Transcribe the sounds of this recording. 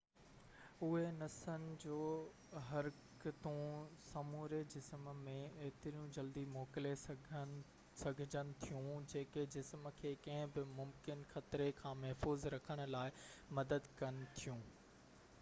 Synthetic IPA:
ʊɦenɐsənɪ̆d͡ʑoː | ɦɐɾkɪt̪ũsɐmuːɾed͡ʑɪsmmẽeɦɪt̪ɪɾijũd͡ʑɐld̪imoːkɪleɡ | sɐɡʱɪd͡ʑənɪ̆t̪ʰijũd͡ʑeːked͡ʑɪsməkʰeːkɐ̃ɦɪ̃bɪmʊmkɪnxɐt̪ɾekʰãːmɐɦfuːzɾɐkʰəɽ̃ʊ̆laːɪmɐd̪əd̪kɐnɪ̆t̪ʰijũː

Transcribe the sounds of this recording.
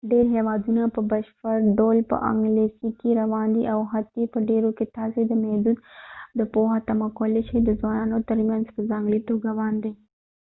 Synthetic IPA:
ɖeɾɦewɑd̪unapəbaʃpəɾɖolpə̰ʔa̰ŋɡlesikeɾawɑnd̪iʔawɦat̪epəɖeɾoket̪ɑsed̪əmɛhd̪ud̪d̪əpoɦat̪amakolet͡ʃed̪əzwɑnɑnot̪əɾmjanzpəzɑŋɡlit̪oɡawɑnd̪e

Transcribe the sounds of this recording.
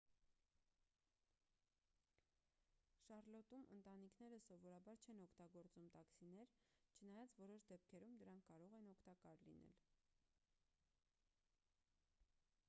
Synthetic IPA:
ʃɑrlɔt̪umʔə̰nt̪ɑnikʰnɛɾəsɔvɔɾɑbɑɾt͡ʃʰɛnɔkʰt̪ɑɡɔɾt͡sumt̪ɑksinɛɾt͡ʃʰənɑjɑt͡svɔɾɔʃd̪ɛp̚kʰɛɾumd̪əɾɑŋkʰːɑɾɔʁɛnɔkʰt̪ɑkɑɾlḭnɛ̰l

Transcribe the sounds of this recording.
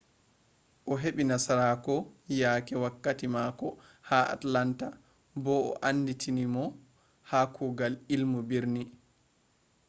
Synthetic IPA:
ʔɔɦeɓinasaɾakɔjaːkɛwakːatimakɔ | haa̰tlanta | bɔɔ̰ʔanːditʰinimɔ | hakʰuɡalilmubiɾni

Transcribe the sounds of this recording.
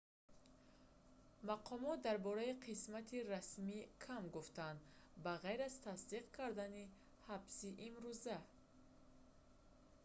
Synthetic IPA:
maqʰɔmɔt̪̚d̪aɾbɔɾaiqʰismat̪ʰiɾasmikʰamɡuft̪and̪baʁajɾazt̪ʰasd̪iqkʰaɾd̪ani | habsiʔimɾuza

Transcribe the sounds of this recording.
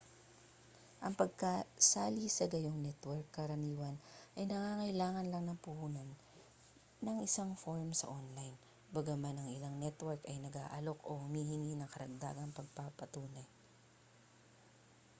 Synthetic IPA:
ʔɐŋpɐɡ̚kasaːlisɐɡɐjoŋnɛt̪wɛɹkːɐɾɐmiːwɐnʔɐjnɐŋaːŋɐɪlaːŋɐnlɐŋnɐŋpʊhuːnonː | ɐŋʔɪsaŋfoɹmsɐ̰ʔonlajn | bɐɡɐmanɐŋɪlaŋnɛt̪wɛɹkɐjnɐɡa̰ːʔɐlo̞ko̞hʊmiːhɪninɐŋkɐɾɐɡ̚d̪a̰ːɡɐŋpɐɡ̚papɐt̪uːnɐj

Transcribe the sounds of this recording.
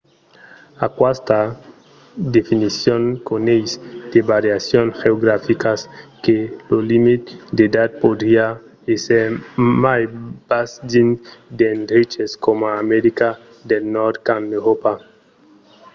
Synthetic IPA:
akwast̪a | d̪efinisjonkonejsd̪̥ebaɾjasjonxeoɡɾafikaskelolimit̪d̪ed̪at̪̚pod̪ɾia | eseɾmajb̥asd͡ʒind̪end̪ɾit͡ʃeskomaːmeɾika | d̪elnɔɾd̪kaneɾopa

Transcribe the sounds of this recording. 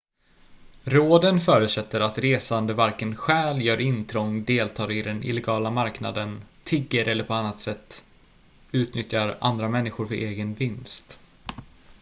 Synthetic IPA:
ɾoːd̪ənfœːɾʉsɛt̪ːəɾat̪ɾeːsand̪əvaɾkənɧɛːljœːɾɪnt̪ʰɾɔŋːd̪eːlt̪ʰɑːɾɪd̪ɛnɪ̰lɛɡɑːlamaɾkna̰d̪ənt̪ʰɪɡːəɾʔɛlːəɾpʰɔanːat̪sɛt̪ː | ʉ̟ːt̪nʏt̪jaɾa̰nd̪ɾamɛnːɪxɧʊɾfœɾʔeːɡənvɪnst̪

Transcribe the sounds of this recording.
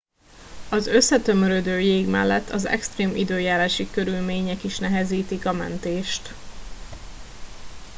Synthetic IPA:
ɒzø̞sːɛt̪ø̞møɾød̪øːjeːɡmɛ̰lːɛ̰t̪ʰːɒzɛ̰kst̪reːmʔḭd̪øːjaːɾaːʃikø̞ɾylmeːɲɛkiʃnɛɦɛziːt̪ikɒmɛ̰nt̪eːʃt̪

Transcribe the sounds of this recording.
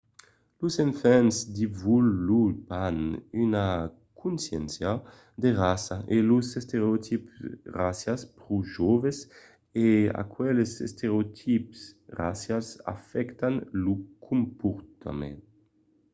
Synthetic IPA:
luseɱfɛnzd̪ivulupanyna | kʰunsjɛnsja | d̪eʁasaʔeluzest̪eɾeot̪ʰipsrasjaspɾuʒɔves | ea̰kwɛlesḛst̪eɾeot̪ʰipsrasjasa̰fɛkt̪anlukʰumpuɾt̪ʰa̰mḛn

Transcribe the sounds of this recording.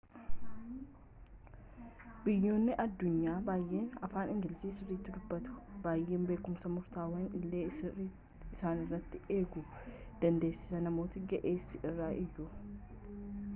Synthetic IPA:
bɪjːo̞ːnːɪʔɐd̪ːʊɲːaːbaːjʔe̞ːnɐfaːnɪŋɡɪlɪsiːsɪrːiːt̪ːɪd̪ʊbːɐt̪ʊ̥b̥aːjʔe̞ːmbe̞ːkʊmsɐmʊɾt̪aːwɐnɪlːe̞ː | ɪsaːnɪrːɐt̪ːɪe̞ːɡʊd̪̥ɐnd̪e̞ːsːɪ̥sɐnɐmo̞ːt̪ɪɡɛʔeːsɪʔɪrːaːʔɪjʊ

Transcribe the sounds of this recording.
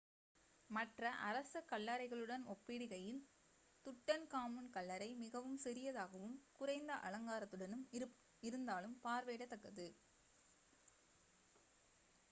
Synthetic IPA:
mɐʈrɐʔɐɾɐsɐkːɐlːaːɾɐɪɣɐɭɯɽɐnɔpːɪɽɪɣɐjɪl | t̪ʊʈːɐnkaːmɯnkɐɭːɐɾɐɪmɪɣɐʋɯmsɛɾɪjɐðaːɣɐʋɯmkʊrɐɪnd̪ɐʔɐɭɐŋɡaːɾɐt̪ːɯɽɐnɯm | ɪɾɯnd̪aːlɯmpaːɾʋeːɽɐt̪ːɐkːɐðɯ

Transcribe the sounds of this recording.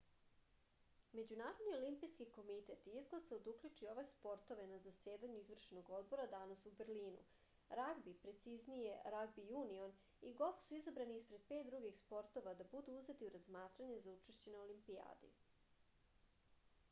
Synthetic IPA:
me̞d͡ʑunaːɾod̪nio̞limpijskiko̞mit̪e̞t̪iizɡlasaod̪ukʎʲut͡ʃio̞ʋespo̞ɾt̪o̞ʋe̞nazaseːd̪aɲuizʋr̩ʃno̞ɡo̞d̪̚bo̞ɾad̪anasuberɾliːnṵ | ɾaɡbipɾe̞t̪siznijeɾaɡbijuːnio̞n | iɡo̞fsuizabɾaniispɾe̞d̪̚pet̪̚d̪ɾuɡixspo̞ɾt̪o̞ʋad̪abud̪uuze̞t̪iuɾazmaːt̪ɾaɲe̞zaut͡ʃeʃt͡ɕe̞neolimpia̰ːd̪ḭ

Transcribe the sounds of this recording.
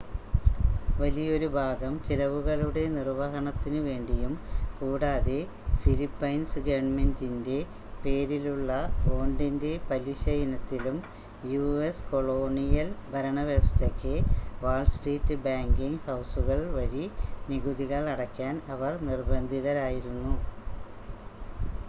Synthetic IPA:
ʋɐlijɐo̞ɾubʱaːɡɐmt͡ɕilɐʋuɣɐɭuɽe̞nirʋɐɦɐɳɐt̪ːinɨʋe̞ːɳɖijumkuːɽaːðe | filipːɐjnsɨɡɐʋɐɳmendinde̞ | pe̞ːɾiluɭːɐo̞ːɳɖinde̞pɐliɕɐjinɐt̪ːilum | juesko̞ɭoːɳijɐlbʱɐɾɐɳɐʋjɐʋɐst̪ʰekːɨʋaːɭsʈriːtːɨbaːŋɡiŋɡhɐwsuɣɐɭʋɐɻiniɣuðiɣɐɭɐɽɐkːaːnɐʋɐrnirbɐnd̪ʱiðɐɾaːjiɾunːu

